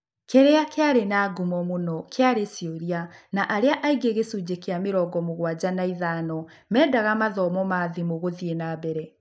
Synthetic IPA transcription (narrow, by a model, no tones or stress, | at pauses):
kʰɛɾeakeaɾenaːɡumɔmonɔkʰeaɾesioɾianaʔaɾeaʔaiɡeɣesud͡ʑekeameɾɔɡɔmoɣwad͡ʑanaiðaːnɔ | mɛːdaɣamaðɔmɔmaːðimoɣoðienabɛɾɛ